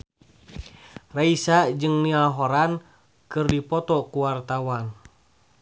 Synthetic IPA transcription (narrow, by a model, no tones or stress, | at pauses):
raisad͡ʒɨŋnialɦɔɾan | kɨrdipɔt̪ɔkuwart̪awan